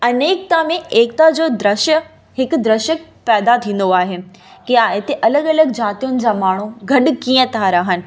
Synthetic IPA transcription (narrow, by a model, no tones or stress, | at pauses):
ɐneːk̚t̪amẽʔeːk̚t̪ad͡ʑoːd̪ɾɐʃə | ɦɪkd̪ɾɐʃək̚ | pɛːd̪at̪ʰĩːn̆d̪oaːɦe | kɪjaet̪eʔɐləɠɐləɡd͡ʑaːt̪ijʊnɪ̆d͡ʑamaːɳ̤̃uɡʱɐɗ̆kiːə̃t̪ʰaɾɐɦənɪ̆